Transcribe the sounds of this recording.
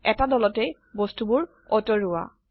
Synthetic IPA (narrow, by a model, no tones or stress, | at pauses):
ɛtadɔlɔtɛ | bɔstubʊɹ | ɔtɔɹʊwa̰